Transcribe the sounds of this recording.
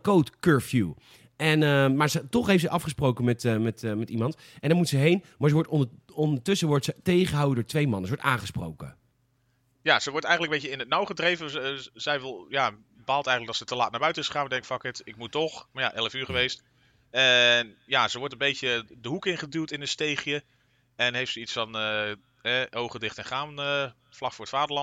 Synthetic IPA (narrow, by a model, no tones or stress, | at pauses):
kowtkøːɹfju | ɛnəmaːɹsətɔχɦejftsəjʔɑfχəsprowkəmɛtmɛtːmɛtimɑnt | ʔɛndɔɹmutsəɦejnmaːɹsəʋɔɹtɔnɔndəɹtʏsəʋɔɹtsətejχəɦawədʊːɹtʋejmɑnəsəʋɔɹtaːnχəspro̰wkə̰ | jaz̥əʋɔɹtɛjənləkmbejcəɪnət̚nawχədrejvəzɛjʋɪlˠja | baːlˠtɛjχələk̚ɑtsətəlaːt̚naɹbœɥtənɪsəaːmədɛŋkɪkfɑkɪtɪk̚mutɔχmaja̰ʔɛləfyːɹχəʋejst | ɛnjasəʋɔɹtəmbejtədəɦukɪnχədytɪnətstejχjə | ɛnɦejftsəitsfɑnə | ɦɛʔowχədɪχtɛnχaːnə | flɑkfʊːɹətfaːdəɹlɑ